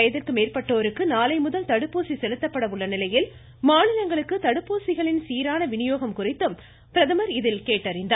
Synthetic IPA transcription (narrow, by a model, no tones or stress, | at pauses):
jɐðɪrkɯmeːrpɐʈːoːɾɯkːɯnaːlɐɪmʊðɐlt̪ɐɽɯpːoːsisɛlɯt̪ːɐpːɐɽɐʋɯɭːɐnɪlɐjɪl | maːnɪlɐŋɡɐɭɯkːɯt̪ɐɽɯpːoːsɪɣɐɭɪnsiːɾaːnɐʋɪnɪjoːɣɐmkʊrɪt̪ːɯm | pɾɐðɯmɐɾɪðɪlkeːʈːɐrɪnd̪ɐ